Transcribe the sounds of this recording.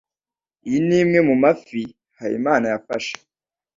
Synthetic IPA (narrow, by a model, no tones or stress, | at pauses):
ijiniːmŋe̞mumafi | haɾḭmaːnajafaʃe̥